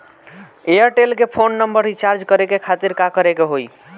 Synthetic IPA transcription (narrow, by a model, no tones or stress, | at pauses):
eəɾʈelkepʰonːəmbəɾit͡ʃaɾd͡ʒkəɾekekʰat̪iɾkakəɾekeɦoj